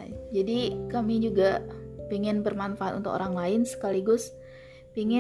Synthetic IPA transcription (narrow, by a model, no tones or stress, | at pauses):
d͡ʒadikamid͡ʒuɡapiŋɪnbərmanfaat̪unt̪ʊko̰ɾaŋlaɪnsə̥kaliɡʊs | piŋɪ